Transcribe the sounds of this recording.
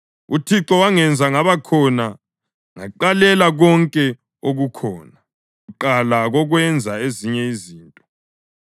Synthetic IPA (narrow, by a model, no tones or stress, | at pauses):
utʰiǁɔwaŋɛnd͡zʱaŋaβakʰɔna | ŋa̰ǃalɛlaɣɔŋkʼɛ | oɣukʰɔːna | uǃalaɣɔɣwɛnd͡zʱaeziɲɛiziːntʼɔ